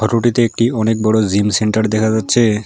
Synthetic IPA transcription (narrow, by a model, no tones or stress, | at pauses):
ɔʈoʈit̪eek̚ʈiɔnek̚bɔɽozimseɳʈaɾd̪ɛkʰad͡ʑatːɕʰe